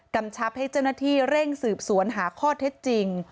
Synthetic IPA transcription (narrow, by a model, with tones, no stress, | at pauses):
ka˧mt͡ɕʰa˦˥p̚ha˥˩jt͡ɕa˥˩wnaː˥˩t̪ʰiː˥˩ɾe˥˩ŋsɯː˨˩p̚su˩˦ənɦaː˩˦kʰɔː˥˩t̪ʰe˦˥t̪̚t͡ɕi˧ŋ